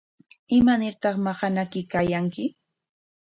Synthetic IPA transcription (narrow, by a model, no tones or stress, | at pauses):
ɪmanɪɾt̪ɑχmɑɢɑnakɪkajaŋkɪ